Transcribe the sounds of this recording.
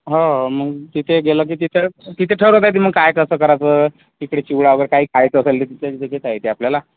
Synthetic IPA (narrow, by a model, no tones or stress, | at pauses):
ɦəməɡt̪it̪ʰeɡelək̬iːt̪it̪ʰet̪it̪ʰeʈʰəɾɦot̪̬ajt̪im̤əɡ̚kajkəsəːkəɾat͡sə | ikɽet͡ɕiʋɭaʋəɡəɾkaɦiːkʰajt͡səːselit̪̬it̪ʰed͡zekʰet̪ajt̪eapljala